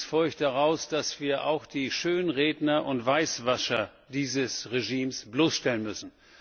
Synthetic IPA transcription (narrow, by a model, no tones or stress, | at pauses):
sfʊɐçt̚d̥aʁaʊsd̥asv̥iːɐʔa̰ʊxd̥iːʃøːnʁeːdnɐʔʊntv̥aɪsv̥aʃɐ | d̥iːzəsʁeʒiːmsb̥loːsʃtɛlənmʏsn̩